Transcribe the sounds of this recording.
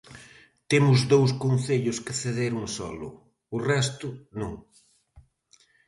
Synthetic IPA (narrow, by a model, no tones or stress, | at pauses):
t̪emʊzðowskonθeʎʊskɪθeðeɾuŋsɔ̰lʊ̰ | ʊrɛst̪ʊnũŋ